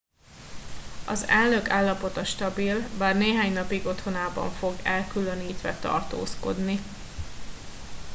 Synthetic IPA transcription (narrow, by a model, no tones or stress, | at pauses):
ɒ̰zɛlnøkaːlːɒpo̞t̪ɒʃt̪ɒbilbaːrneːɦaːɲnɒpiɡo̞t̪ho̞naːbɒ̰ɱfo̞ɡɛlkylø̞niːt̪ʋɛt̪ɒ̰rt̪o̰ːsko̞̰d̪ni